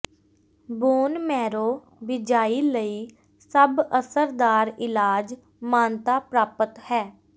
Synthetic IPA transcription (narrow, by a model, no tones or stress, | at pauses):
buːnmɛːɾoː | bɪd͡ʒaːiːləiː | səbəsəɾd̪aːɾɪlaːd͡ʒ | mãːnt̪aːpɾaːpət̪hɛː